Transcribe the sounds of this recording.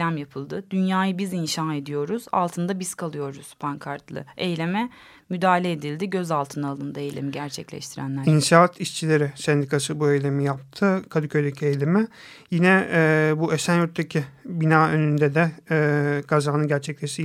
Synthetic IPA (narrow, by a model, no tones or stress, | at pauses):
lʲæmjapʰɯlˠd̪ɯd̪̥ynjaːjɯbizinʃaːe̞d̪ijo̞ɾuz̥a̰lˠt̪ʰɯnd̪abiz̥kʰalˠɯjo̞ɾuz̥pʰaŋkʰaɾt̪lˠɯ̰ejlʲe̞mɛ | myd̪aːlʲeːd̪ilʲd̪iɟø̞zalˠt̪ʰɯnɯalˠɯnd̪aejlʲḛmiɟæɾt͡ʃʰɛclʲɛ̰ʃt̪ʰiɾæ̰nlʲæɾinʃaːt̪ʰiʃt͡ʃʰilʲe̞ɾɪsɛnd̪ikʰasɯbuejlʲe̞mijap̚t̪ʰɯkʰad̪ɯcʰøjd̪ecʰiejlʲemɛ | jinɛbuesænjuɾt̪ʰːacʰibinaːønynd̪ɛd̪ɛ | kʰazaːnɯnɟæɾt͡ʃʰɛclʲeʃt̪i